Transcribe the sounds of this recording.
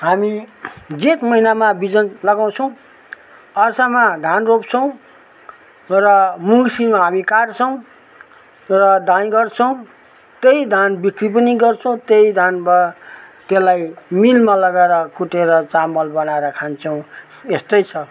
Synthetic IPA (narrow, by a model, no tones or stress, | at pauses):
ɦamid͡zet̪mʌɦinamabid͡zʌnlʌɡaw̃t͡sʰʌw̃ | ʌrsamad̪ʱanrop̚t͡sʰʌw̃ | rʌmuŋsimaɦamikart͡sʰʌw̃ | rʌd̪ãj̃ɡʌrt͡sʰʌw̃ | t̪ejd̪ʱanbikrip̬ʌniɡʌrt͡sʰʌ̃w̃t̪ejd̪ʱanbʌt̪elajmilmalʌɡaeɾʌkuʈeɾʌt͡samʌlbʌnaeɾʌkʰant͡sʰʌw̃ | est̪ʌjt͡sʰʌ